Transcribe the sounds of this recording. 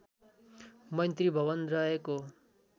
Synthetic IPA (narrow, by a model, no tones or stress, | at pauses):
mʌnt̪ɾibʱʌbʌnɾʌeko